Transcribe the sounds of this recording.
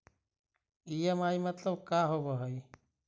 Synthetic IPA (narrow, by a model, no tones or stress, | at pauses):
ijəmaːimɐt̪ləbkaːɦobəɦəi